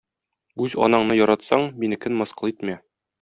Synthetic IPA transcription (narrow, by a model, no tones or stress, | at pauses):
ʉzɒ̰nɑɴnɤjɒɾɑt̪sɑɴminɘ̆kɘnmɤ̆sqɤ̆lˠit̪mæ